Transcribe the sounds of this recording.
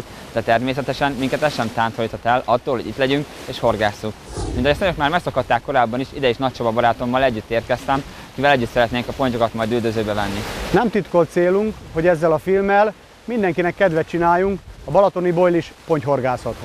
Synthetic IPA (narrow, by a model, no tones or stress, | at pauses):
t̪ | d̪ɛt̪ɛrmeːsɛt̪ɛʃɛnmiŋkɛt̪ɛʃɛmt̪aːnt̪ʰojt̪ɒt̪ɛlɒt̪ːoːlɦoɟit̪lɛɟyŋk | eːʃho̞rɡaːsːukminɒɛst̪øjøkmaːrmɛksɒkɒt̪ːaːkːo̞ɾaːbːɒniʃid̪ɛeːʃnɒc̚ʃobɒbɒɾaːt̪o̞mːɒlɛɟːyt̪ːeːrt̪̚kɛst̪ɛm | ɒkivɛlɛɟːyt̪sɛɾɛt̪neːŋkɒpo̞ɲco̞kɒt̪mɒjd̪yld̪øzøːbɛvɛnːinɛmt̪it̪ko̞lt̪seːluŋkho̞ɟɛzːɛlɒfilmɛl | mind̪ɛŋkinɛkːɛd̪ʋɛtt͡ʃinaːjːuŋkɒbɒlɒt̪o̞nibo̞jliʃpo̞ɲcɦo̞rɡaːsɒt̪h